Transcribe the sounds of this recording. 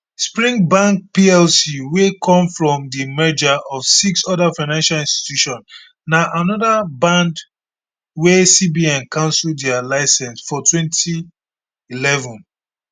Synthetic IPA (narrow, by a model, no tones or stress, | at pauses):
spɹĩŋbãŋk̚piɛlsiwekʰɔ̃mfɹɔ̃mdimɛd͡ʒaʔɔv̥siksɔdafaɪnãnʃalĩnsti̥tjuʃɔ̃n | naʔanɔdabãnd | wesibiɛ̃nkʰãʊ̃nsuldɛalaɪsɛ̃nsfɔtwɛ̃ntʰi | ilɛvɔ̃n